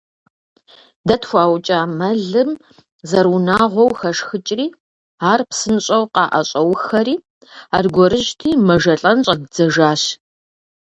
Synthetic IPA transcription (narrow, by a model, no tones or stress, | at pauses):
dɐtxʷɑːwt͡ʃʼaːmɐɮɨm | zɐrunaːʁʷɔwxɐʂxɨt͡ʃʼriː | aːrpsɨnɕʼɐwqɑːʔɐɕʼɐwxɐɾiː | aːrɡʷɔɾɨʒtʰiːmɐʒɐɬʼɐnɕʼɐdd͡zɐʒaːɕ